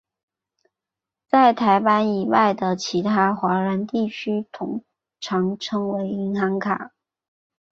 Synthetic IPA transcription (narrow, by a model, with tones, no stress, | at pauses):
t͡sa˥˩ɪt̪ʰa˧˥ɪpa˥ni˨˩wa˥˩ɪd̪ə˩t͡ɕʰi˧˥t̪ʰa˥xwa˧˥ɻə˧˥nt̪i˥˩t͡ɕʰy˥t̪ʰʊ˧˥ŋ | ʈ͡ʂʰɑ˧˥ŋʈ͡ʂʰɤ˥ŋwe˧˥ɪi˧˥ŋxɑ˧˥ŋkʰa˨˩˦